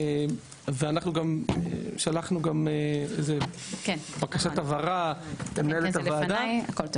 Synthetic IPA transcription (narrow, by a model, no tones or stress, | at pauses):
veanaχnuɡam̰ʃalaχnuɡameḛjze | kenbakaʃat̪avaʁat̪emnelet̪alvaːd̪ajakolt̪o